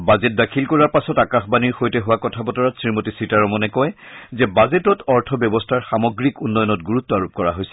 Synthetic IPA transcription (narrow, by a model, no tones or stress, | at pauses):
bazet̚dakʰilkɔɹaɹpasɔtakaxbaniɹxojtɛɦʊwakɔtʰabɔtɔɹatsɹimotisitaɹɔmɔnɛkɔjzɛbazetɔtɔɹtʰɔbjɔbɔstʰaɹxamɔɡɹikunːɔjɔnɔtɡuɹut̪ːɔaɹup̚kɔɹa̰ɦojsɛ